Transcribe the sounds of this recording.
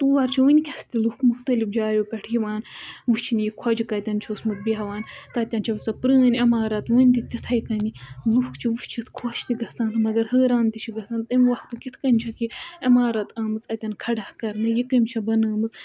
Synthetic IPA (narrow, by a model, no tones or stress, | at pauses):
t̪uʋɐɾt͡ʃʰiʋənʲkʰʲɐst̪ilukʰmuxt̪ɐlifd͡ʒaːjopʲɛʈʰjiʋaːnʋust͡ʃʰinjikʰɔd͡ʒikɐt̪ʲɐnt͡ʃʰosmɨt̪̚biɦɐʋaːnt̪ɐt̪ʲɐnt͡ʃʰɐʋɨsɐpɾəːnʲɐmaːɾɐt̪ʋəːnʲt̪it̪ʲit̪ʰɐjkɐnilukʰt͡ʃʰiʋuʃt͡ʃʰit̪ʰkʰoːʃt̪iɡɐt͡saːnt̪ʰmɐɡɐɾhəːɾaːnt̪it͡ʃʰiɡɐt͡saːnt̪ɨmʲʋɐxt̪ɨkʲit̪ʰkɐnʲt͡ʃʰɐt̪iɐmaːɾɐt̪aːmɨt͡sɐt̪ʲɐnkʰɐɖɐhkɐɾnɨjikɐmʲt͡ʃʰɐbɐnɐːmɨt͡s